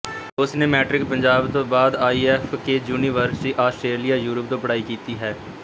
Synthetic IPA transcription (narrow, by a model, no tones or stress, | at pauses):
ʊsneːmɛːʈɾɪk̚pəɲd͡ʒaːbt̪õːbaːd̪aːiːɛːfkeːd͡ʒuːniːʋəɾsiːʔaːsʈɾeːlijaːjuːɾəp̚d̪õːpəɽaːiːkiːt̪iːɦɛː